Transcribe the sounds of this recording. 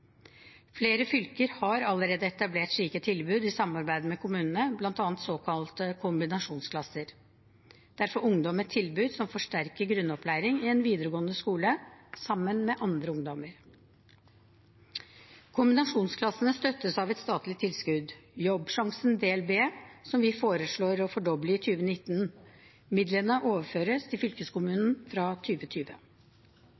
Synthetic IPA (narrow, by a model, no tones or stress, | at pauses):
fleːɾəfʏlkəɾhɑɾɑləɾeːd̪əɛt̪ɑbleːʈʂɭiːkət̪ʰɪlbʉːd̪ɪsɑmɑɾbæɪd̪əmɛkʰʊmʉːnənəblɑnt̪ɑːnt̪soːkʰɑlt̪əkʰʊmbɪnɑʂuːnskʰlɑsəɾ | d̪̥æɾfɔɾʊŋd̪ɔmət̪ʰɪlbʉːd̪sɔmfɔʂʈæɾkəɾɡɾʉnːɔpʰlæɪɾɪŋɪɛnʋiːd̪əɾəɡoːənəskuːləsɑmːənmɛʔɑnd̪ɾəʊŋd̪ɔməɾ | kʰʊmbɪnɑʂuːnskʰlɑsənəst̪œt̪ːəsɑʋɛt̪st̪ɑːt̪lɪt̪ʰːɪlskʉd̪jɔbʂɑŋsənd̪eːɛlbeːsɔmʋɪfoːɾəʂɭoːɾɔfɔɖɔbləɪt̪ʰyːʋənɪt̪ːn | mɪd̪lənəʔoːʋəføːɾəst̪ʰɪlfʏlkəskʊmʉːnn̩fɾɑt̪ʰyːʋət̪ʰyːʋə̰